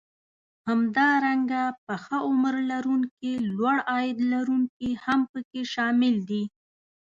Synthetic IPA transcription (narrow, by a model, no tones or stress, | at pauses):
hamd̪ɑɾaŋɡap̚əxaʊmɾlaɾuŋkelwaɽɑjɪd̪laɾuŋkihampəkeʃɑmɪld̪i